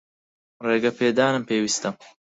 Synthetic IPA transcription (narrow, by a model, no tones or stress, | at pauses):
reːɡɐpʰeːd̪aːnɨmpʰeːwist̪ɐm